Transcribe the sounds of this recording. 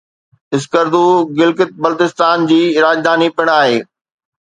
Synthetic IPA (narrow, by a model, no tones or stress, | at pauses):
ɪskəɾd̪uɡɪlkɪt̪̚bɐlt̪ɪst̪aːnd͡ʑiːɾaːd͡ʑd̪aːnipɪɽ̃aːɦeː